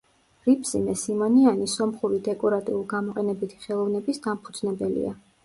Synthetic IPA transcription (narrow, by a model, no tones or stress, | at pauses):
ɾipʰʼsḭmɛsimɔnianisɔmχuɾid̪ɛkʼɔɾat̪ʼḭulˠɡamɔqʼɛnɛbit̪ʰi̥χɛlˠɔvnɛbisd̪ampʰud̪znɛbɛlḭa